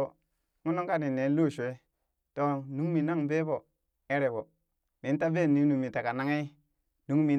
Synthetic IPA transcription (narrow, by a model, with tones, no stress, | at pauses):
ŋu˦no˦ŋka˦ni˨ne˨˦lo˦˨ʃe˦ | to˦nu˦ŋ˦mi˨na˦ŋbe˦bo˨ | e˦ɾe˨bo˨ | mi˨˦ta˦be˦˨ni˨˦nu˨mi˨ta˨ka˨na˦ŋi˦ | nu˨˦ŋmi˨